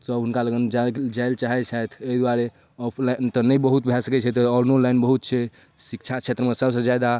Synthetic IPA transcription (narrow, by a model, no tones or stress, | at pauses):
səbɦunkaləɡənd͡ʒad͡ʒajlt͡ʃaɦɛt͡ʃʰat̪ʰeid̪waɾe | ɔpʰlant̪ɔnəjbəɦut̪bʱasəkɛt͡ʃʰɛt̪ɔɾnolajnbəɦut̪̚t͡ʃʰɛ | sikt͡ʃʰat͡ʃʰet̪ɾəmesəbsə̃d͡ʒjad̪a